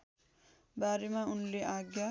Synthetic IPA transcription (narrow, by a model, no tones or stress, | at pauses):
baːɾimãʊnliʔaːɡja